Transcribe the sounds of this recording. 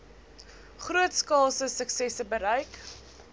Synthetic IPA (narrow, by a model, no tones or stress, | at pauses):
χruətskɑːsəsəksɛsəbəɾəjk